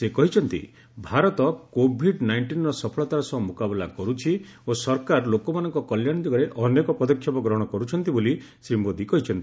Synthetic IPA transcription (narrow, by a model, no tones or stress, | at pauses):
sekɔɦit͡ʃʰɔnt̪ḭ | bʱaɾɔt̪ɔkobʱiɖnajɳʈinɾɔsɔpʰɔɭɔt̪aɾɔsɔmukabɔlakɔɾut͡ʃʰiosɔɾkaɾlokɔmanɔŋkɔkɔljaɽ̃d̪iɡɔɾeʔɔnekɔpɔd̪ɔkʰːjɔpɔɡɾɔɦɔɽ̃ɔkɔɾut͡ʃʰɔn̪t̪iboli | sɾimbod̪ikɔɦit͡ʃʰɔnt̪i